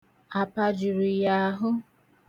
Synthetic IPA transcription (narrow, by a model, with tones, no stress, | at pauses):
a˨pa˨d͡ʒʊ˨ɾu˨ja˨˦ɦʊ˦